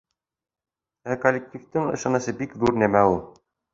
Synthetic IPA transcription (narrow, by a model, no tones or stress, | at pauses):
ækolʲːek̚tʲift̪ɘŋɤ̰̆ʃɑnɤ̆sɤbikðuɾnæmæulˠ